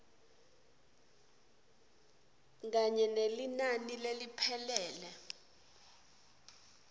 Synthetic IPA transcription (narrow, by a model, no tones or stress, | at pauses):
ɡaɲɛnelinanilelipʰɛlɛːlɛ